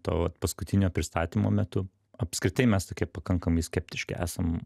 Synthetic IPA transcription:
t̪o̰ːʋɐt̪pɐskʊt̪ʲɪnʲoːpʲɾʲɪst̪ɑːt̪ʲiːmoːmʲɛt̪ʊ | ɐpʲskɾʲɪt̪ɐɪmʲɛst̪oːkʲiɛpɐkɐŋkɐmɐɪsʲkʲɛp̚ʲt̪ʲɪʃʲkɐɪʔæ̰ːsɐm

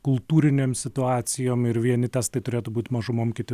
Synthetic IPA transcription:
kʊlˠt̪uːɾʲɪnʲeːmsʲɪt̪ʊɑːt̪sʲɪjoːmɪɾʋʲiɛnʲɪt̪ʲæst̪ɐɪt̪ʊɾʲeːt̪ʊbuːt̪ʲmɐʒʊmoːmkʲɪt̪ʲɪ

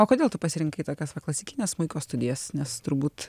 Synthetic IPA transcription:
oːkoːd̪ʲeːlˠt̪ʊpɐsʲɪɾʲɪŋkɐɪt̪oːkʲɛsʋɐklˠɐsʲɪkʲɪnʲeːsmʊɪkoːst̪ʊdʲɪjɛsnʲɛst̪ʊɾbuːt̪

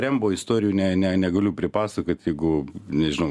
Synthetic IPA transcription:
ɾʲɛmboːɪst̪oːɾʲɪjuːnʲɛnʲɛnʲɛɡɐlʲʊpʲɾʲɪpɑːsɐkoːt̪ʲjɛɪɡʊnʲɛʒʲɪnɐʊ

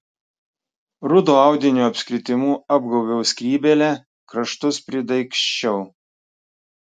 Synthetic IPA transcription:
ɾʊd̪oːɑˑʊd̪ʲɪnʲuːɐpʲsʲkʲɾʲɪt̪ʲɪmuːɐb̚ɡɐʊʋʲɛʊsʲkʲɾʲiːbʲɛlʲɛ | kɾɐʃt̪ʊspʲɾʲɪd̪ɐɪkʃʲt͡ʃʲɛʊ

